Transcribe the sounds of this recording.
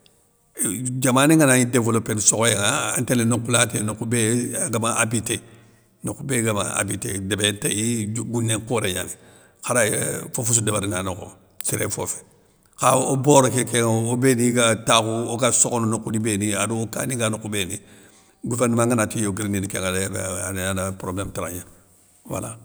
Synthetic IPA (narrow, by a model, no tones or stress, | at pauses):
d͡ʒamaːnĩŋanaidevolopenisokɔjeŋaa̰ntelenokulatenokubeɡamaabite | nokubeɡamã̰a̰bitḛdebenteiɡunːẽŋkoːɾeɲa̰ni | kaɾaefofus̬udebaɾinanoko̰ | t͡ʃiɾefo̰fe̥ | kaoboɾokekeŋobeniɡatakuokasokononokudibeniaduka̰niɡanokubeːni | ɡuvɛɾnumãŋɡanatijoɡiɾininikẽŋabananapɾoblemtaɾaɲan | wa̰la̰